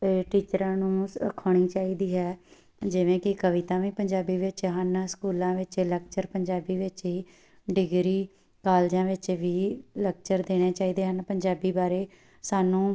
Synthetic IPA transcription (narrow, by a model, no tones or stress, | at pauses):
ʈiːt͡ʃɾãːnũːəkʰoːɳ̃iːt͡ʃaːiːd̪iːɦɛː | d͡ʒɪʋẽːkɪkəʋɪt̪ãːʋĩːpəɲd͡ʒaːbiːʋɪt͡ʃɦənskuːlãːʋɪt͡ʃlək̚t͡ʃəɾpəɲd͡ʒaːbiːʋɪt͡ʃɦiː | ɖɪɡɾiː | kaːld͡ʒãːʋɪt͡ʃʋiːləkt͡ʃəɾd̪eːɽ̃eːt͡ʃaːiːd̪eːɦənpəɲd͡ʒaːbiːbaːɾeː | saːnũː